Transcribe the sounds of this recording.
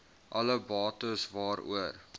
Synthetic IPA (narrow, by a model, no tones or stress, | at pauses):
ʔɐləbɑːtəsvɑːɾṵər